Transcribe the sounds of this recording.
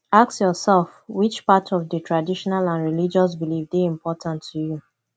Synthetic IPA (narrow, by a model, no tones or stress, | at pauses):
aksjɔsɛlfwit͡ʃpatʰɔvdətʰɹadiʃɔnalãnɹilid͡ʒɔs̬bilifdeĩmpɔtʰãntʰːuju